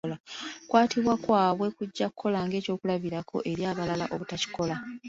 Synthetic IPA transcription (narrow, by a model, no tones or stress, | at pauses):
lakwaːtʰiβwakwaːβwe̞kuɟːakukʰːo̞laːŋɡe̞ːco̞ːkulaβiɾakʰo̞̰ʔe̞ɾjaːβalala̰ʔo̞βutaci̥ko̞la